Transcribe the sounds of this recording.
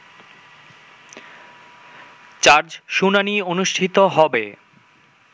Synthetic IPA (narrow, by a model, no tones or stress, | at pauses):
t͡ɕaɾd͡ʑʃunanionuʃʈʰit̪oɦɔbe